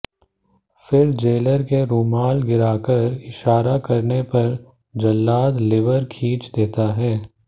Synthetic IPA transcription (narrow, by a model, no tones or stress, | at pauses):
fɪɾd͡ʒeːləɾkeɾoːmaːlɡɪɾaːkəɾɪʃaːɾakɐɾnepɐɾ | d͡ʒɐlːaːt̪lɪʋəɾkʰiːt͡ʃd̪eːt̪aɦɛː